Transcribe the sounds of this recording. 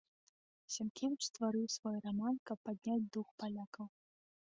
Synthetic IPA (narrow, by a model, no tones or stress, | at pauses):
sʲamkʲevʲɪt͡ʂst̪vaɾɨwsvɔjramankɐpːad̪ʲnʲad͡zʲd̪uxpalʲakɐw